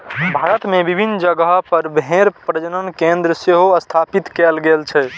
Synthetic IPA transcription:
bʱaɾət̪mebibʱinːd͡ʒəɡəɦpəɾbeɾpɾəd͡ʒənənkẽnd̪ɾəseɦoəst̪ʰapit̪kɛlɡelt͡ʃʰɛ

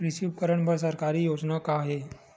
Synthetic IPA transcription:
ɾisiːʋkəɾəɳbəɾs̬əɾkaɾiːjod͡znakaɦe

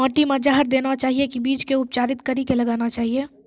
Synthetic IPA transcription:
ɔːʈimẽd͡ʒaɦəɾd̪eːnat͡ʃaːɦiekibiːt͡ʃkeʊp̚t͡ʃaːɾɪt̪kəɾikelɐɡaːnat͡ʃaːɦieː

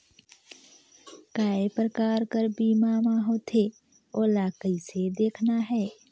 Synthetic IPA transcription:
kaːepɾəkaːɾkəɾbiːmamaɦoːt̪ʰe | oːlaːkəised̪eːkʰnaɦɛː

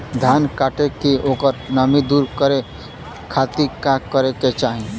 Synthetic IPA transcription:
d̪ʱjaːnkaːʈekioːkəɾnəmid̪uːɾkəɾe | kʰaːt̪ikakəɾeket͡ʃaːɦĩ

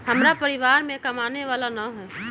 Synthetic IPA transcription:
ɦɐmɾapɐɾɪʋaːɾmẽkɐmaːneʋaːlanaɦɛː

